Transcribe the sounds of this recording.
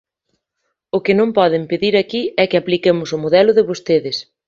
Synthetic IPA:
ʊkɪnõmpɔðɪmpeðiɾakiɛkɪaplikemʊsʊmoðɛlʊðɪβost̪eðɪs

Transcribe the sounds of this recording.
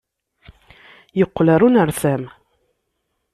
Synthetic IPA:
jəqːlaɾˤunəɾθæm

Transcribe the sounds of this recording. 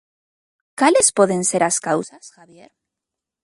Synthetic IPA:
kalespo̞ðe̞nse̞ɾaskawsasxaβje̞ɾ

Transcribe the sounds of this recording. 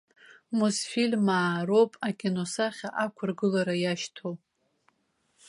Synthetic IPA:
musfilʲmaːɾo̞pʼakʲʼino̞saχʲaʔakʷʰʊrɡɨlaɾajaʃtʰo

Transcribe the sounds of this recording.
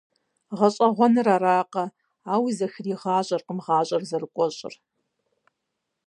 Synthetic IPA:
ʁɐɕʼɐʁʷɔnɨraːɾaːqɐ | aːwizɐxriːʁɑːɕʼɐrqəmʁaːɕʼɐrzɐrɨkʷʼɔɕʼɪ̰r

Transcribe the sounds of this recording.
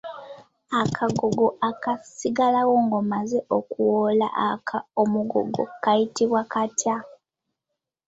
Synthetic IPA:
akʰaɡoɡo̞akasiɡalawo̞ŋɡomazeokuwola̰ʔakʰaomuɡo̰ɡo̞̰kajitiβwakatja

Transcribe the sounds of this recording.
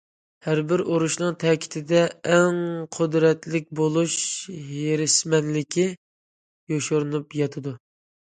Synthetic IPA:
hæɾbɪɾoɾuʃnɨŋt̪ʰɛkʲʰi̥t̪ʰɪd̪ɛːŋqʰʊd̪ɾɛt̪lɪk̚ʲbolˠuʃjeɾɪsmɛnlɪkʲʰi | joʃoɾɨnupjɑt̪ʰɨd̪u

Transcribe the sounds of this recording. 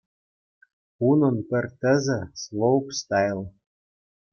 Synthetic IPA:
unɤ̆npɘ̆rt̪ə̆zɘ̆slˠowpst̪ɑjlˠ

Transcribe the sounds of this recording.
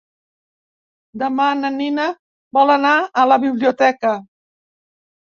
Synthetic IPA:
d̪əmanəninə | bɔlənaːləβiβliut̪ɛkə

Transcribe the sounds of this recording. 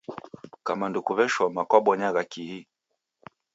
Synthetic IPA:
kamandukuvɛʃwɔmakwaɓɔɲaɣakihi

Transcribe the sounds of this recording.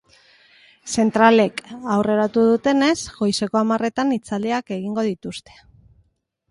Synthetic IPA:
se̞nt̪ɾale̞kawre̞ɾat̪uðut̪e̞ne̞sɣo̞jse̞ko̞amare̞t̪anit͡sald̪eake̞ɣiŋɡo̞ð̞it̪ust̪e̥

